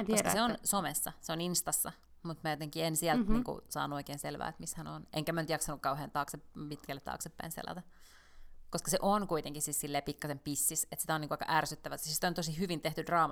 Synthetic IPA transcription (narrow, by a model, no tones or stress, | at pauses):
t̪skɑseonnsomesːɑ̰seoninst̪ɑsːɑ | mut̪mæjot̪eŋkiensiælt̪niːŋkṵsɑ̰ːnuoikeːnselʋæ̰ːet̪mishænonʔeŋkæmænyt̪jɑksɑnukkɑuheːnt̪ɑːkseppit̪kælːet̪ːɑ̰ːksepːæ̰insḛlɑ̰t̪æ | koskɑseʔonkuit̪eŋkisissilːeːpikːɑsempisːiset̪si̥t̪æoniŋkuɑikɑ̰ʔærsyt̪ːæʋæsissit̪ont̪osihyʋint̪eht̪ydrɑːmɑ